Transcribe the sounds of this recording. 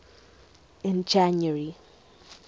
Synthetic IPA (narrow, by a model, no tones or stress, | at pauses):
ɪ̃nd͡ʒanəɹi